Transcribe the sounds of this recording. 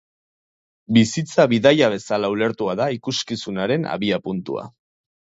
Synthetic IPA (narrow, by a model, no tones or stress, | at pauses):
bisit͡saβiðajaβ̞e̞salaule̞ɾt̪uaðaikuskisunaɾe̞na̰βiapunt̪ṵa̰